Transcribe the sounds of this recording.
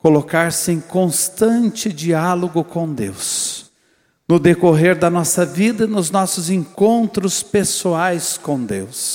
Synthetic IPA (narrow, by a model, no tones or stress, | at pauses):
kolokaɾsɪẽj̃kõst̪ɐ̃nt͡ʃɪd͡ʒialoɡʊkõw̃d̪ḛws | nʊd̪ekoɦeɾd̪ɐnɔsɐvid̪ɐnʊznɔsʊzẽŋkõnt̪ɾʊspesuajskõw̃d̪ews